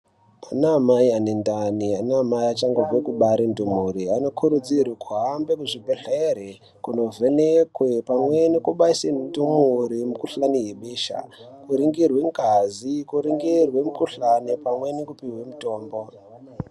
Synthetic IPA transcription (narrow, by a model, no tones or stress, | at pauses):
anaːmaianendanianamaiat͡ʃaŋɡovwekuɓaɾindumuɾiano̞kʰuɾud͡zirwekʰuɦambekuʐibʱeɬeɾe | kuno̞venekwe̞pamwe̞nekuɓaisedumuɾimukuɬanijeɓeːʃa̰kuɾiŋɡirweŋɡazikuɾiŋɡirwe̞mukuɬanipamwe̞nekupiɦwemuto̞ːmbo